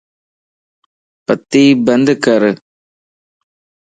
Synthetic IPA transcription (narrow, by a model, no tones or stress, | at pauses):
pɐt̪ːibɐnd̪ɯkːɐɾ